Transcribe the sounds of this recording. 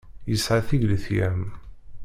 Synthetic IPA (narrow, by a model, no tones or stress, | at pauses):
jəsʕaθiʝləθjæm